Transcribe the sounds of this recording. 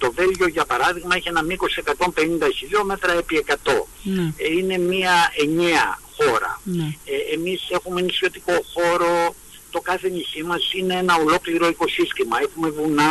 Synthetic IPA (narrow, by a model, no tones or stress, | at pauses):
t̪o̞ve̞lʝo̞ʝɐpɐɾɐðiɣmɐeçie̞nɐmiko̞sie̞kɐt̪o̞mpe̞nind̪ɐçiʎo̞met̪ɾɐepie̞kɐt̪o̞ | ine̞miɐe̞ɲeɐ̰xo̞ɾɐ̰ | emise̞xumeenisço̞t̪iko̞xo̞ɾo̞ | t̪o̞kɐθe̞ɲisimɐsine̞enɐo̞lo̞kliɾo̞iko̞sist̪imɐe̞xume̞vunɐ